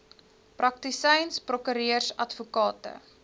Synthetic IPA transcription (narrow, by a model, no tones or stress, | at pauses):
prɐk̚tisɛjnsprɔkyɾiərsɐtfukɑːtə̰